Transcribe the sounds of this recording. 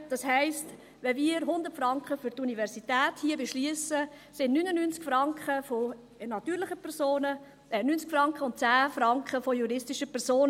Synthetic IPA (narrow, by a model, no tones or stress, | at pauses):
d̥ɑshɛɪst | ʋɛmiəɾɦʊnd̪ətfɾɑŋkχəfʏɾtunivɛɾsitɛːthiəbeʃliəsə | sɪnnynənyːnt͡skfɾɑŋkχəfo | nɑt̪yːɾlɪχəpʰɛɾsoːnə | nynt͡skfɾɑŋkχəʊnt̚t͡sæːfɾɑŋkχəfojuɾɪstiʃəpʰɛɾsoːn